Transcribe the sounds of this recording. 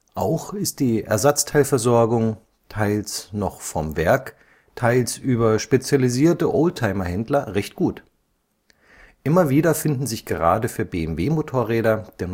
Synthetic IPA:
ʔaʊxɪst̚d̥iːʔɛ̰ɐzat͡stʰaɪlfɛɐzɔɐɡʊŋ | tʰaɪlsnɔχfɔmvɛɐk | tʰaɪlsʔyːbɐʃpet͡sjaliziːɐtəʔoʊltʰaɪmɐhɛndlɐʁɛçtɡ̥uːt | ʔɪmɐviːdɐfɪndn̩zɪçɡ̥əʁaːdəfyːɐbeːɛmveːmotʰoːɐʁɛːdɐd̥eːɐn

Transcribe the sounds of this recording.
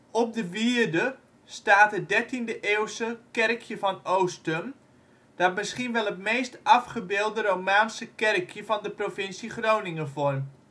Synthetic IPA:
ɔp̚dəʋiərdə | staːtət̚dɛrtindəʔeːwsəkɛrkʰjəvɑnowstəm | d̥ɔt̚mɪsχinʋɛlˠətmejstɑfχəbɪːlˠdərowmaːnsəkɛrkʰjəvɑndəprofɪnsiχrownɪŋəfɔrm

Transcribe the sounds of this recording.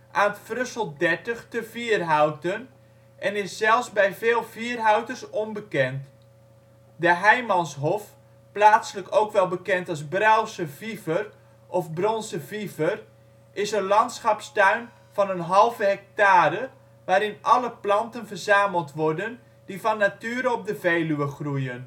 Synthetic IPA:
ʔaːntfrøsəlˠdɛrtəxtəviərɦawtən | ʔɛnɪsːɛlˠfsbɛjveːlˠviərɦawtərsɔnbəkɛnt | dəɦɛjmɑnsɦɔf | plaːtsələkowkʋɛlˠbəkɛntɑzbrawsəvivər | ʔɔfbrɔnsəvivər | ʔɪsənlɑntsχɑpstœɥn | fɔnənɦɑlˠvəɦɛk̚taːɾə | ʋaːɾɪnʔɑləplɑntənvərzaːməlˠtʋɔrdən | difɔnːatyːəɾəɔp̚dəveːlyəχrujən

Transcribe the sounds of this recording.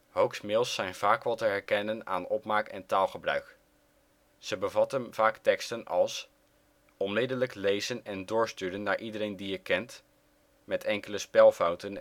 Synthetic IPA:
howksmɪlˠsːɛjnv̥aːkʋɛlˠtəɦɛɹkɛnəna̰ːnɔpmaːkɛ̰ntaːlˠχəbrœ̰ɥk | səbəvɑtənv̥aːktɛkstənɑ̰lˠs | ɔnmɪdələklejzənɛndʊːɹstyːdənːaːɹʔidəɾejndijəkɛnt | mɛtʰɛŋkələspɛlˠfɑwtən

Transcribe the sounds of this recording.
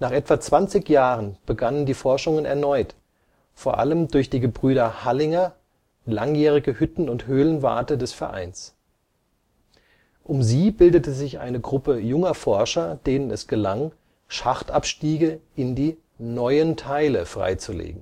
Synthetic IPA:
naːχʔɛtv̥at͡sv̥ant͡sɪçjaːʁənb̥əɡanəndiːfɔɐʃʊŋənɛ̰ɐnɔʏt | foːɐʔa̰ləmdʊɐçd̥iːɡəbʁyːɾɐhalɪŋɐ | la̰ŋjɛːʁ̞ɪɡəhʏtn̩ʊnthøːlənva̰ɐtədɛsfɛɐʔa̰ɪns | ʔʊmziːbɪldətəzɪçʔa̰ɪnəɡʁʊpəjʊŋɐfɔɐʃɐd̥eːnənɛsɡ̥əlaŋ | ʃaχtʔapʃtiːɡəʔɪndiː | nɔʏəntʰaɪləfʁ̥a̰ɪt͡sulḛːɡŋ̩

